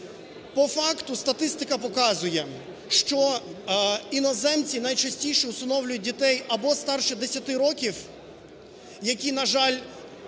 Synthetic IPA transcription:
pɔfɑkt̪ʊst̪ɐt̪ɪst̪ɪkɐpɔkɑzʊjɛ | ʃt͡ʃɔ | inɔzɛmt͡sʲinɐjt͡ʃɐsʲtʲijʃɛʊst̪ɐnɔwlʲʊjʊt̚ʲdʲit̪ɛjɐbɔst̪ɑrʃɛd̪esʲɐt̪ɪɾɔkʲiw | jɐkʲinɐʒɑlʲ

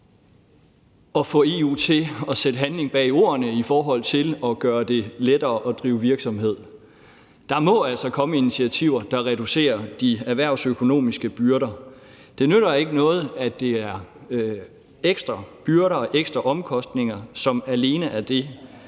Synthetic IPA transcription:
ɒ̽fɔ̽ːe̝ut͡sʰe̝ɒ̽sed̥əɦænle̝ŋb̥ɛ̰ːio̝̰ːɐnəifɒːɦɒ̽l̰t͡sʰe̝lɒ̽ɡ̥ɶːɐd̥e̝led̥ɐːʔɒ̽d̥ʁiːʊʋiɐɡ̥sɒ̽mɦe̝ð̞̰ˠ | d̥ɑ̈mɔ̽æl̰sɒ̽kʰɒ̽məinit͡sʰiæt͡sʰiʊ̰ɐd̥ɑ̈ʁɛd̥use̝̰ːɐd̥iæʋæɐ̰ʊsøkʰo̝no̝̰ːmisɡ̥əb̥yɐɾɐ | d̥e̝nøɾ̥ɐe̝ɡ̥ənɔ̽ːð̞̩ˠæd̥e̝æɐ | eɡ̥sd̥ʁɐb̥yɐɾɐːʔeɡ̥sd̥ʁɐʔɒ̽mkʰɒ̽sd̥ne̝ŋɐsɒ̽mæle̝ːnəʔæd̥e̝

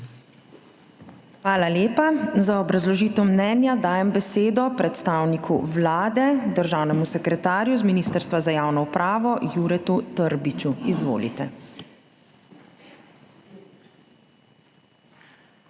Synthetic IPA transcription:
xʋaːlaleːpazaɔbɾazlɔʒiːt̪ɔmnɛːnjad̪aːjɛmbɛseːd̪ɔpɾɛt̪st̪aːwnikʰṵʋlaːd̪ɛd̪əɾʒaːwnɛmusɛkɾɛt̪aːɾjuzminiːst̪əɾst̪ʋazajaːwnɔupɾʔaːʋɔjuːɾɛt̪ut̪əɾbit͡ʃuizʋo̰ːlḭt̪ɛ

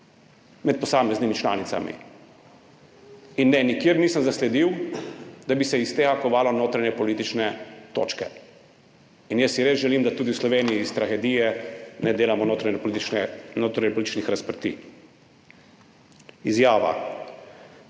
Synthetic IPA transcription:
mɛt̪̚pɔsaːmɛznimit͡ʃla̰ːnit̪sa̰mḭ | inːɛnikjeːɾniːsəmzaslɛd̪iw | d̪abisɛist̪eːɣakɔʋaːlɔnoːt̪ɾaɲɛpɔliːt̪it͡ʃnɛt̪o̰ːt͡ʃkɛ̰ | injəsːiɾezʒɛliːmd̪at̪uːd̪iwslɔʋeːnijiːst̪ɾaxɛd̪ijɛnɛd̪eːlamɔnot̪ɾapnoːt̪ɾaɲɛpɔlit̪it͡ʃnixɾaspɾt̪ḭː | izjaːʋa̰

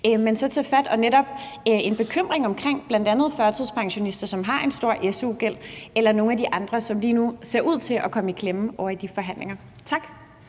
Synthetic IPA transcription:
mensɒ̽t͡sʰefæd̥ɒ̽neɾɒ̽b̥ | e̝nb̥e̝kʰøm̰ʁeŋɒ̽mkʰʁeŋ̰b̥læn̰d̥ænð̞̩ˠfɶɐt͡sʰið̰ˠspʰɑ̈ŋɕo̝nisd̥ɐsɒ̽mɦɑ̈ʔe̝nsd̥o̝ɐ̰ʔesuɡ̥el̰elɐno̝ːŋ̩ædiʔɑ̈nd̥ʁɐsɒ̽mliːnuse̝ɐ̰ʔuð̞̰ˠt͡sʰe̝lʔɒ̽kʰɒ̽məikʰlem̩ɒʊ̰ɐid̥ifɒ̽ɦæn̰le̝ŋɐt͡sʰɑ̈ɡ̥

